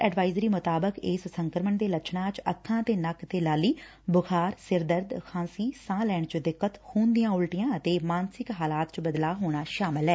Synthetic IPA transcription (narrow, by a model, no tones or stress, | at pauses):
ɛːɖʋaːɪzɾiːmʊt̪aːbəkɪssəŋkəɾməɳd̪eːlət͡ʃʰnãːt͡ʃəkʰːãːt̪eːnəkt̪eːlaːliː | bʊkʰaːɾsɪɾd̪əɾd̪kʰãːsiːsãːlɛːɳt͡ʃd̪ɪkːət̪huːnd̪ɪjãːʊlʈɪjãːət̪eːmaːnsɪkɦaːlaːt̪t͡ʃbəd̪laːɦoːɽ̃aːʃaːmɪlɦɛː